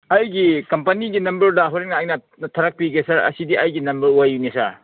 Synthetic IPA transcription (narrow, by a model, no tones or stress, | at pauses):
ɐjɡikɐmpɐniɡinɐmbɐɾdɐɦɔɾek̚nɐːjnɐ | tʰɐɾɐk̚piɡesɐɾɐ̰sidiʔɐjɡinɐmbɐɾuajunesaɾ